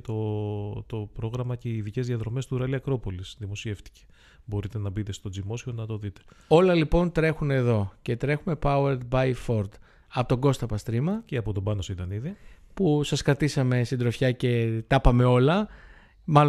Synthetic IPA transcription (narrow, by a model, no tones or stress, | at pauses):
t̪o̞t̪opɾo̞ɣɾɐmɐce̞iːðice̞zðiɐðɾo̞me̞st̪uɾɐliɐkɾo̞po̞lisðimo̞sie̞ft̪i̥ce̥ | bo̞ɾit̪e̞nɐbit̪e̞st̪o̞d͡zimo̞sio̞nɐt̪o̞ðit̪e̥o̞lɐlipo̞nt̪ɾe̞xuneðo̞ce̞t̪ɾe̞xume̞pɐueɾd̪bɐjfo̞ɾd̪ | ɐpot̪o̞ɡo̞st̪ɐpɐst̪ɾimɐceɐpo̞t̪o̞bɐnosit̪ɐniðipusɐskɾɐt̪isɐme̞sind̪ɾofçɐce̞t̪ɐpɐme̞o̞lɐ | mɐl